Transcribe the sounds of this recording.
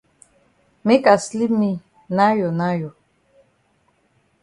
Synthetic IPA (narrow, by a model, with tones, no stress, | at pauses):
me˦ka˨sli˦mĩ˦ | na˦jɔ˨na˦jɔ˨